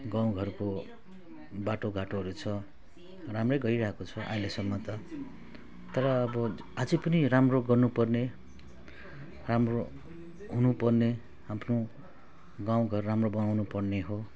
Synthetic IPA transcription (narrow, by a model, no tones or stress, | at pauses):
ɡãw̃ɡʱʌrko | baʈoɡaʈoɦʌɾut͡sʰʌ | ramrʌjɡʌjɾʌɦekot͡sʰʌʔa̰ĩlesʌmːʌt̪ʌ | t̪ʌɾʌːbʌ | ad͡zipʌniramroɡʌrnupʌrne | ramro | ɦunupʌrne | ampʰno | ɡãw̃ɡʱʌrːamrobʌnawnupʌrneɦo